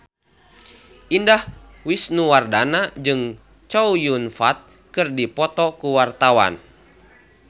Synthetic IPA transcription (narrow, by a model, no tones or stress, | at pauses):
ʔindah | wisnuwardanad͡ʒɨŋ | t͡ʃɔujunfat̪̚ | kɨrdipɔt̪ɔkuwart̪awa̰n